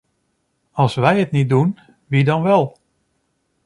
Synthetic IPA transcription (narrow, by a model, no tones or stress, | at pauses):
ɑlˠsʋɛjətnit̚dun | ʋidɔnʋɛlˠ